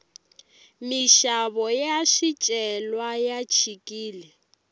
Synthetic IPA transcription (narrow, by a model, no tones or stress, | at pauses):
miʃaβɔjaʃit͡ʃʼɛlwajat͡ʃʰikʼiːlɛ